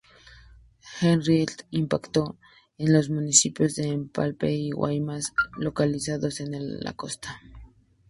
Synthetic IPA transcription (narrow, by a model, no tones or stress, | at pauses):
xenrielimpakt̪o | enlos̬munisipjozðeːmpa̰lpeiwa̰jmaslokalisaðosenelːa̰kost̪ḁ